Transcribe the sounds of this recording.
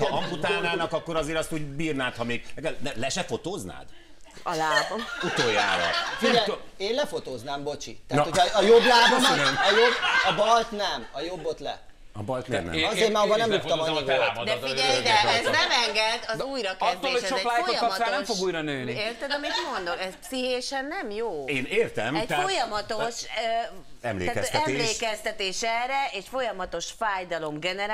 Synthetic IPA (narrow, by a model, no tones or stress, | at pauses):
hɒɒmput̪aːnaːnɒkɒkːoɾɒzeːɾɒst̪uːɟbiːrnaːt̪hɒmeːɡɛkɛlɛlɛʃɛfot̪oːzna̰ːd̪̥ | laːut̪oja̰ːɾɔ̰fiɛj | eːnlɛfot̪oːznaːmbo̞t͡ʃḭt̪ɛaːnojoblaːb̪nɛɒjobɒbɒlt̪nɛmɒjo̞bːot̪lɛ̰ | ɒ̰bɒlt̪n̰nɛ̰ɒzeːɾmaobɔnɛmjupt̪ɔmɔɲːiɡoɛaːbɔd̪ɛiɛjd̪ɛɛznɛmɛŋɡɛd̪ɒzuːjɾɒkɛztd̪ːoːeːhoʃʃoɛplaːjoɒaːnɛmfo̞ɡuːjɾɒnøːnieːrt̪ɛd̪ɒmit̪mo̞nd̪o̞kɛzsiɦeːʃɛnːɛmjoːeːneːrt̪ɛmɛct̪fojɒmɒt̪o̞ʃøɛ̰mlḛːaːkɛɛmleːkɛst̪ɛt̪eːʃɛːrɛeːʃfo̞jɒmɒt̪o̞ʃfaːjd̪ɒlo̞mɡɛnɛɾ